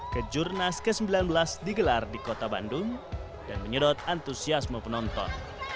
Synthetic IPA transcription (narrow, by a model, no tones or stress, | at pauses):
kəd͡ʒurnaskəsəmbilanbəlasdiɡəlardikot̪aba̰ndʊŋ | danməɲədɔt̪̚ant̪usiasməpənɔnt̪ɔ̰n